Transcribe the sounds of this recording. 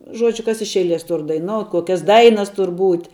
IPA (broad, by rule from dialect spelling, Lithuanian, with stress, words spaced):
ˈʒuɔd͡ʒʲʊ kɐs ɪʃ ˈɛɪˌlʲiɛs ˈtʊr dɐɪˈnoːʊtʲ ˈkoːkʲɛs ˈdɐɪnɐs ˈtʊr ˈbuːtʲ